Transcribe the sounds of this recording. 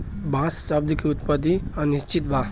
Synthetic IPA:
bãsʃəb̚d̪ʱkiut̪pəd̪ianist͡ʃit̪̚bʱa

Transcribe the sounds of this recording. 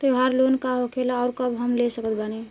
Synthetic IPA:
t̪eɦaɾlonkaɦokʰelaːʊɾkəbʱɦəmlesəkət̪̚bane

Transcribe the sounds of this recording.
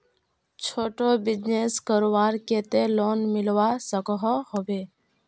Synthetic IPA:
t͡ʃʰoːʈobɪd͡ʒneskəɾwaːɾkeːt̪eloːnmɪlwasəkəɦɔhoʋeː

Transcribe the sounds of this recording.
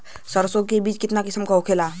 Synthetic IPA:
səɾsoɡ̚kebiːt͡ʃkɪt̪nakɪsəmkaokʰelaː

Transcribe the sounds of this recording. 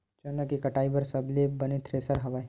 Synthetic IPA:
t͡ʃɐnɐkikɐʈaːibəɾsɐblebɐnit̪ʰɾeːsəɾɦɐʋaːi

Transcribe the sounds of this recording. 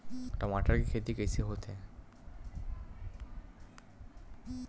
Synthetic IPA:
ʈamaʈaɾkikʰet̪ikesʰeɦot̪ʰe

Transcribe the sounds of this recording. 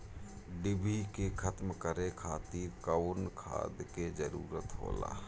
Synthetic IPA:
ɖɪbʱikekʰət̪mkəɾekʰaːt̪iːɾkəwnkʰa̰ːd̪ked͡ʒəɾuːɾət̪ɦo̰ːla̰ː

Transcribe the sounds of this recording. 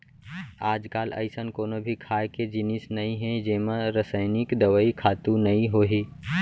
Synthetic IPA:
aːd͡ʒkaːlə̰ɪsənkoːnobʱikʰaːjked͡ʒɪnɪsnɐɦĩɦɛ̃d͡ʒeːmə̃ɾəsəɪnɪkd̪əʋəikʰaːt̪ũnɐĩɦoːɦiː

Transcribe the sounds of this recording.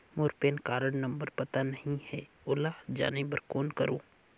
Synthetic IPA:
moːɾpeːnkaːɾəɽnɐ̃mbəɾpɐt̪anɐɦĩhɛː | ʊlaːd͡ʒa̰ːnebəɾkoːnkɐɾõː

